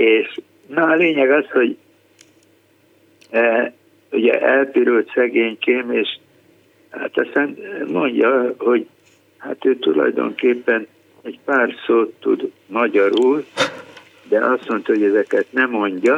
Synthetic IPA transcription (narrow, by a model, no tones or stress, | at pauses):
eːʃ | nɒːleːɲɛɡɒsho̞ɟ | uɟɛ̰ʔɛlp̪iɾult̪sɛɡeːɲkeːmeːʃ | ha̰t̪ɒst̪aːnmo̞ɲɟɒho̞ɟ | ha̰t̪øːt̪ulɒ̰jd̪o̰ŋkeːpːɛn | ɛɟpaːrsoːt̪ːṵd̪ | mɒɟɒɾur | d̪ɛʔɒst̪mo̞nt̪ɒɦoɟɛzɛkɛt̪nɛmo̞ɲɟɒ